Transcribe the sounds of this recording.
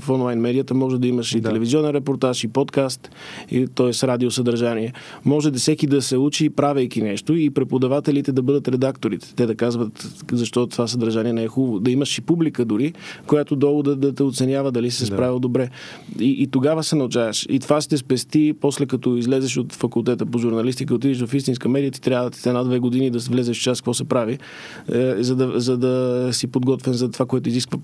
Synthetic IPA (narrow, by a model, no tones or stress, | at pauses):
fɔnlˠajnmɛd̪ijət̪əmɔʒɛd̪ɐiməʃit̪ɛlɛvizʲiɔnɛnɾɛpoɾt̪aʃipɔt̪kast̪ | it̪ɔɛsɾad̪iosəd̪ɐɾʒaniɛmɔʒɛd̪ɐsɛkid̪ɐsɛut͡ʃipɾavɛjk̟inɛʃt̪oipɾɛpod̪ɐvat̪ɛlit̪ɛd̪ɐbɤd̪ət̪ɾɛd̪akt̪oɾit̪ɛ̥t̪ɛd̪ɐkazvət̪zɐʃt̪ɔt̪ovasəd̪ɐɾʒaniɛnɛɛxubəvod̪ɐiməʃipublikəd̪ʊɾikojat̪od̪ɔɡod̪əd̪ɐt̪ɛot̪sɛnʲjavəd̪ɐlisisɛspɾavilˠd̪obɾɛ | iʔːt̪oɡavəsɛnɐut͡ʃavəʃit̪ovast̪ɛspɛst̪ipɔslɛkɐt̪ɔizlɛzɛʃot̪fɐkulˠt̪ɛt̪əpoʒʊɾnɐlist̪ikəot̪̬id̪iʃ̬vɐfist̪ins̬kəmɛd̪ijət̪i̥t̪ɾʲabvət̪i̥sɛnad̪vɛɡod̪inid̪ɐsvlɛzɛʃft͡ʃaskəvɔsɛpɾavi | zɐd̪ɐzɐd̪ɐsipod̪ɡɔt̪vɛmzɐt̪ovakoɛt̪ʊiziskvə